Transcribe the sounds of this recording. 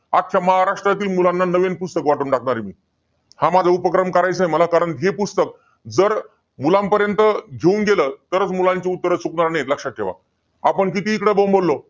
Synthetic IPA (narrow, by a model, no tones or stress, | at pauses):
akʰːjaməɦaɾaʂʈɾat̪iːlmulãnːanəʋenpust̪əkʋaʈuːɳʈak̚ʰɳaɾimḭː | hamad͡zʱaupəkɾəmkəɾajt͡səɦeməlakaɾəɳɦepust̪ək̚ | d͡zəɾ | mulãmpəɾjənt̪əɡʱeuːnɡeləːt̪əɾət͡smulãɲt͡ɕaut̪ːəɾət͡sukɳaɾnajet̪ləkʂaʈ̚ʰːḛʋa̰ | apəɳkit̪iːkɽəbõmbəlːo